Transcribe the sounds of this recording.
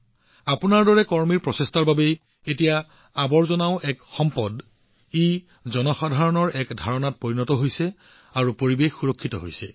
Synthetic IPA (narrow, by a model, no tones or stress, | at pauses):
apunaɹdɔɹɛkɔɹmiɹpɹɔsestaɹbabɛ | etija | abɔɹzɔnaʊʔɛkxɔmpɔd | ej | zɔnɔxadʱaɹɔnɔɹɛkdʱaɹɔnat̚poɹinɔtɔɦojsɛ | aɹupoɹibexuɹɔkʰːitɔɦo̰jsɛ